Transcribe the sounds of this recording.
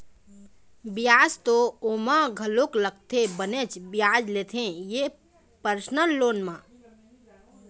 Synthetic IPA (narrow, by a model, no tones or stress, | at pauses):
bijaːst̪oomãɡʱəloklək̚t̪ʰebənet͡ʃbijad͡ʒlet̪ʰẽje | pəɾsnəlːoːnmã